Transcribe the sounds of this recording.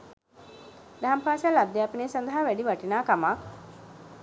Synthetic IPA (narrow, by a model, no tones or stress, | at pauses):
d̪aɦampaːsalab̚d̪jaːpineːsand̪əɦaʋæɖiʋaʈinaːkama